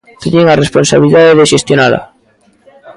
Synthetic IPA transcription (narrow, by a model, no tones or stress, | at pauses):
ket̪eŋaresponsaβiliðaðeðeʃest̪jonala̰